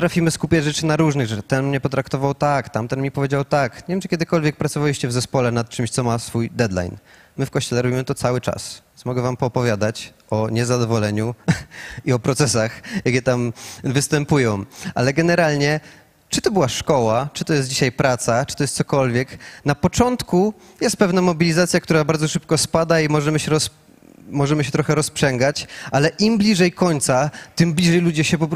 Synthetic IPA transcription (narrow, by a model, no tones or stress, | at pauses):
pt̪ɾafʲimɘskupʲjad͡ʑʐɛt͡ʂɘnaɾuʐnɘɣʐɛt̪ɛnmɲɛpɔt̪ɾakt̪ɔvawt̪akt̪amt̪ɛnmʲipɔvʲjed͡ʑawt̪akɲʲevʲjɛmt͡ʂɨ̥kʲɛd̪ɘkɔlvʲjɛk̚pɾat̪sɔvalʲiɕt͡ɕɛvzɛspɔlɛnat̪̚t͡ʂɘmɕt̪sɔmasfujd̪ɛd̪la̰jn | mɘfkɔɕt͡ɕɛlɛɾɔbʲimɘt̪ɔt̪sawɘt͡ʂa̰snmɔɡɛvampɔːpɔvʲjad̪at͡ɕ | ɔɲɛzad̪ɔvɔlɛɲu | iɔpɾɔt̪sɛsaxjakʲɛt̪amvɘst̪ɛmpujɔ̃w̃ʔa̰lɛɡɛnɛɾalɲɛ | t͡ʂɨt̪ɔbɨwaʂkɔwat͡ʂɨ̥t̪ɔjɛst̪̚d͡ʑiɕajpɾat̪sat͡ʂɨ̥t̪ɔjɛst̪sɔkɔlvʲjɛknapɔt͡ʂɔnt̪ku | jɛst̪pɛvnamɔbʲilʲizat̪sʲjakt̪uɾabaɾd̪zɔʂɘp̚kɔspad̪aimɔʐɛmɘɕɛɾɔs | mɔʐɛmɘɕɛt̪ɾɔxɛɾɔspʂɛŋɡat͡ɕalɛʔimblʲiʐɛjkɔɲt̪sat̪ɘmblʲiʐɛjlud͡ʑɛɕɛpɔpɾ